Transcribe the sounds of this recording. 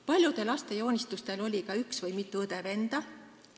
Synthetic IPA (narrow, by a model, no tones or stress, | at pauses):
pɑlʲjud̪̥e̞lɑst̪e̞jo̞ːnʲist̪ust̪e̞lo̞lʲikɑyksvɤjmit̪ˑːuɤd̪̥e̞ve̞nd̪̥ɑ